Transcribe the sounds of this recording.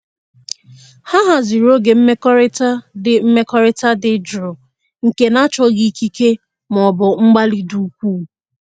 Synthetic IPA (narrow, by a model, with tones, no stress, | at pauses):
ha˦ɦa˨zi˨ɾo˦ɡe˨m̩˦me˦kɔ˦ɾɪ˦ta˦dɪ˨m̩˦me˦kɔ˦ɾɪ˦ta˦dɪ˨d͡ʒɾʊ˨ | ŋ̩˨ke˨na˦t͡ʃɔ˦ɡi˦ki˦ke˦ | m˨ɔ˨bʊ˨ŋ͡m̩˦ɡ͡ba˦li˦du˨˦kʷuː˦˨